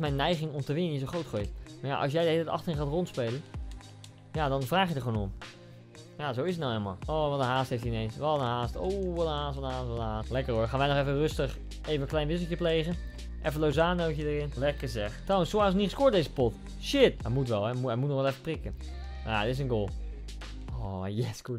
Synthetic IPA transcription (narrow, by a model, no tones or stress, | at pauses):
mɛjnːɛjɣɪŋɔmtəʋɪnənis̬oχrowtχojtmaɹja̰ʔɑ̰s̬jɛjdəheldətɑ̰xtərɪnχaːtrontspejlən | jadɔnvraːxjədəχoːnɔm | jazowɪsətnawɛlˠma̰lˠoːʋɔənɦaːsthejftiɪnejnsʋɑənɦaːstowʋɛlˠəɦaːstɔtaːtʋɔaːtlɛkəroəɹχaːnʋɛjnɔχɛfənrøstəχ | ʔeːvənklɛjnʋɪs̬l̩ˠtjəpleːɣən | ʔɛfənlowzaːnowtjədərɪnlɛkːəzɛxtrawənsoasəniχəskoətdejzəpɔt | ʃɪtɛmutʋɛlˠɛuɛmutnɔxʋɛlˠɛfəprɪkən | majaəɪs̬ənɡoːlˠ | ojɛsku